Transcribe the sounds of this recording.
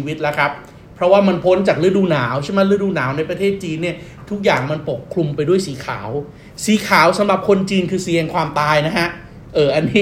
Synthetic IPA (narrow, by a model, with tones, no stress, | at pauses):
wi˦˥t̪̚lɛ˦˥kʰɾa˦˥p̚ʰː | ɾɔ˦˥waː˥˩ma˧npʰo˦˥nt͡ɕaː˨˩k̚lɯ˦˥duː˧naː˩˦wt͡ɕʰa˥˩ma˦˥lɯ˧˥˩duː˧naː˩˦wna˧jpɾa˧t̪ʰeː˥˩t̪̚t͡ɕiː˧nːi˥˩ɐ | t̪ʰu˦˥k̚jaː˨˩ŋma˧npo˨˩kʰːɾu˧mpa˧jdu˥˩əjsiː˩˦kʰa̰ː˩˦w | siː˨˩˦kʰaː˩˦wsa˩˦mɾa˨˩p̚kʰo˧nt͡ɕiː˧nkʰɯː˧si˧əŋkʰwaː˧mt̪aː˧jna˦˥kʰa˦˥ʔ | ʔɤː˨˩ʔa˧nːiː˦˥